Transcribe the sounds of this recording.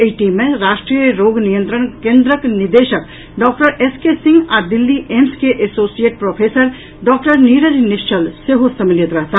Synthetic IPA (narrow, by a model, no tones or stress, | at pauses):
eiʈimːeɾasʈɾijəɾoɡnijənt̪ɾənkẽnd̪ɾəknid̪esək | ɖɔk̚ʈəɾeskesĩŋɡad̪ilːiʔemskeʔesosijeʈ̚pɾopʰesəɾ | ɖɔk̚ʈəɾniɾəɾniʃt͡ʃʰəlseɦosəmiljət̪ɾəɦt̪ʰa